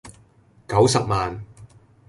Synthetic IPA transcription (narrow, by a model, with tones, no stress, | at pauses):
kɐ˨˥wsɐ˨p̚maː˨n